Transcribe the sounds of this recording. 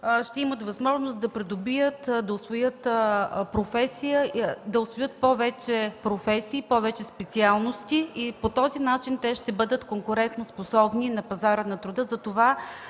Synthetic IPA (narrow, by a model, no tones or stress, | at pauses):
ʃt̪ɛimət̪vɐzmɔʒnost̪d̪ɐpɾɛd̪obijət̪d̪ɐʊsvojɤt̪pɾofɛsijəd̪ɐʊsvojɤt̪̚pɔvɛt͡ʃɛpɾofɛsiːpɔvɛt͡ʃɛspɛt̪sialˠnost̪iipot̪ɔzinat͡ʃint̪ɛʃt̪ɛbɤd̪ət̪koŋkʊɾɛnt̪nosposɔbninɐpɐzaɾənɐt̪ɾʊd̪ɤzɐt̪ova